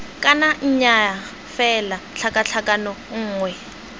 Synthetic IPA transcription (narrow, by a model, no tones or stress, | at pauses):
kʼanaɲ̩ɲa | fɛlaɬʰakʼaɬʰakʼanɔŋ̩ːŋwɛ